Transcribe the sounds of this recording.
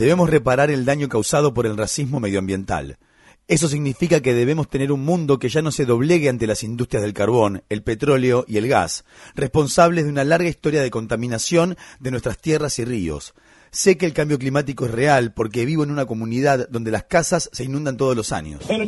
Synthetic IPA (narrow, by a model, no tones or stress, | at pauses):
d̪e̞βemo̞sre̞paɾaɾe̞ld̪aɲo̞kawsað̞o̞po̞ɾe̞lrasizmo̞me̞ð̞joambje̞nt̪a̰l | e̞s̬o̞s̬iɣnifikake̞ð̞eβ̞e̞mo̞st̪e̞neɾunmũnd̪o̞keʒano̞se̞ðo̞β̞le̞ɣeant̪e̞lasind̪ust̪ɾjazðe̞lkaɾβo̞nelpe̞t̪ɾo̞leo̞ʔie̞lɣa̰s | respo̞nsaβ̞lezðeunalaɾɣaist̪o̞ɾjað̞e̞ko̞nt̪amĩnasjo̞nd̪enwest̪ɾast̪jerasirio̞̰s | se̞keːlkambjo̞k̬limat̪̬iko̞esrealpo̞ɾkeβ̞iβo̞enunako̞mũniðaððo̞nd̪e̞laskasasːe̞inũnd̪ant̪o̞ð̞o̞losa̰ɲo̰s